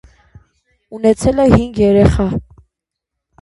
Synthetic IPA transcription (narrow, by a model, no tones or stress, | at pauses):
unɛt͡sʰɛlɛhiŋɡjɛɾɛχɑ